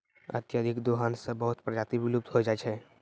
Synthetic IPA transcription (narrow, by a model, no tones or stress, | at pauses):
ɐ̰t̪jad̪ʱɪkd̪oɦaːnsebəɦʊt̪pɾɐd͡ʒaːt̪iʋɪlub̚t̪ɦod͡ʒaːt͡ʃʰɛ